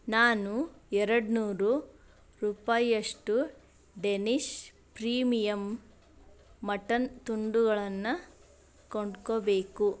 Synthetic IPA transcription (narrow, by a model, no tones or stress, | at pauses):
naːnuɛɾɐɽnuːɾu | ɾuːpajɐʂʈu | ɖeniʂ | pɾiːmijɐm | ɐʈɐnt̪uɳɖuɡɐɭɐnːɐ | koɳɖkobeːku